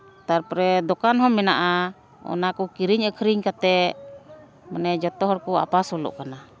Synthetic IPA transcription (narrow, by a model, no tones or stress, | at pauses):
t̪aɾpɾɛd̪ɔkanɦɔmːɛnaʔa | ɔ̰nakɔkiɾiɲəkʰəɾiɲkat̪ɛ | manɛd͡ʒɔt̪ɔɦɔɾkɔa̰pasɔlɔ̰ʔkana